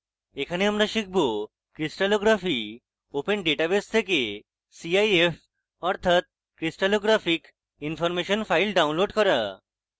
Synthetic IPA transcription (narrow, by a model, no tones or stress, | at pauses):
ekʰaneamɾaʃik̚ʰbo | kɾisʈaloɡɾafi | openɖeʈabest̪ʰeke | siajef | ɔɾt̪ʰat̪̚ | kɾisʈaloɡɾafik | infɔɾmeʃonfʰajlɖawnloɖkɔɾa